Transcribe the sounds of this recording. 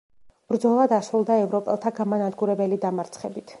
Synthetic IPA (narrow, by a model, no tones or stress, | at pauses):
b̥ɾd̪zɔlˠad̪asɾulˠd̪aɛvɾɔpʼɛ̰lˠt̪ʰaɡamanad̪ɡuɾɛbɛlid̪amaɾt̪sʰχɛbit̪ʰ